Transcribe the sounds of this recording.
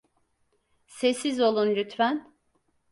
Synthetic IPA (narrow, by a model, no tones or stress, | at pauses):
sesizo̞lˠunlʲyt̪ʰvæn